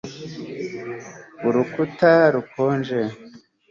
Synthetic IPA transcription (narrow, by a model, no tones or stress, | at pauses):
uɾukutaɾukʰoːnd͡ʒe